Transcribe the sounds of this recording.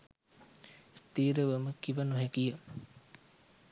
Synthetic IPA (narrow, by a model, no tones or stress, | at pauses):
st̪iːɾəʋəməkiʋənuɦekijə